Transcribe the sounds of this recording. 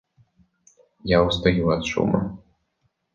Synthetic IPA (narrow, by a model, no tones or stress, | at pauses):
jawst̪ajuɐt̪ʂṵmɐ̰